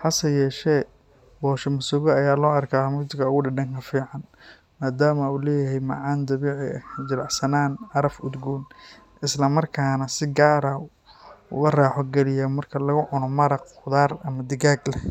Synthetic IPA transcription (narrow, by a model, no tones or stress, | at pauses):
ħɐsɐjɛːʃɛː | bɔːʃɐmʊsʊɣɔɐjaːlɔːɐrkʰaːmʊt̪ɪɡɐʊɣʊɖɪɖɐŋkʰɐfiːʕɑn | maːd̪aːmɐuːlɛːjɐɦɛjmɑ̰ʕɑːnd̪ɐβiːʕɪɛ̰d͡ʒɐlɑʕsɐnaːnɑɾɐfʊd̪ɡuːn | ʔɪslɐmɐrkʰaːnɐsɪɡaːɾɐ | ɣɐraːħɔɡɛlɪjɐmɐrkʰɐlɐɣʊʕʊnɔmɐɾɐq | ʊðaːrɐmɐd̪ɪɣaːɡlɛ